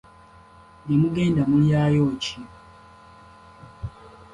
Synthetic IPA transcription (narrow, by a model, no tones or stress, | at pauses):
nemuɡe̞ːndamuljaːjoci